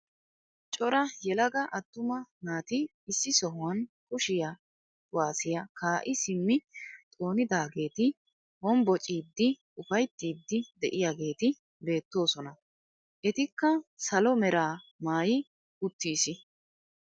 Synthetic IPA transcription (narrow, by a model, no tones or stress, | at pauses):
t͡ʃʼɔɾɐjɛlɐɡɐʔɐt̪ːʊmɐnaːt̪ɪː | sːɪsɔɦʊwɐn | kʊʃɪja | ʊwaːsɪjɐkaːʔɪsɪmːɪt̪ʼo̞ːnɪd̪aːɡe̞ːt̪ɪ | hɔmbɔt͡ʃʼiːd̪ːɪ | ʊfɐjt̪ːiːd̪ːɪd̪ɛʔɪjaɡe̞ːt̪ɪ | be̞ːt̪ːo̞ːsɔnɐ | ʔɛt̪ɪkːɐsɐlɔmɛɾaːmaːjɪ | ʊt̪ːiːsɪ